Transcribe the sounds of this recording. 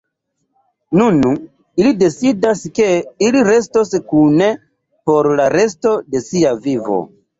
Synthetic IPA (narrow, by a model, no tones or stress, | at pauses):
nun | ilide̞sidaske̞iliɾe̞stoskune̞ | po̞ɾlaɾe̞s̬to̞de̞siavivo̰